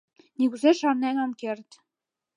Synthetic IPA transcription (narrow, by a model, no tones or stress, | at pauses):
nikuzeʃɑrnenomkert̪